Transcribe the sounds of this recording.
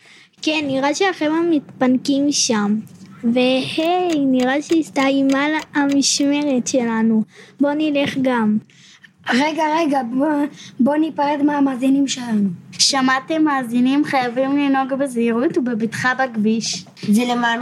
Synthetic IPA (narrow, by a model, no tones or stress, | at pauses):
kenːiʁaʃeaχemamitpankimʃamvehejniʁaʃeist̪aimalaamiʃme̞ʁetʃe̞lanubo̞nileχɡam | ʁeɡaʁeɡabobo̞nipaʁed̪meamaːzinimʃelanuʃamatemaːzinimχajavimlino̞ɡbeziʁut̪ubebitχabaɡbiʃ | zeleman